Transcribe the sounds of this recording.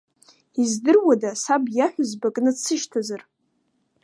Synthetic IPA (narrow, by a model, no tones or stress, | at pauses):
izdɨrwadasabjaħʷᶣʊzbakʼnɨt͡sʰːɨʃtʰazar